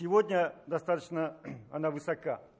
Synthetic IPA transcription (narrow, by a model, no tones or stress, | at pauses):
sʲɪvodʲnʲəd̪ɐst̪at̪ət͡ɕnəɐnavɨsɐka